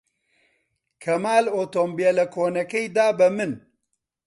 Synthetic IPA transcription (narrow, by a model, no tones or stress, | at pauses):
kʰɐmaːloːt̪ombijɛlɐkʰoːnɐkɛjd̪aːbɨmɨn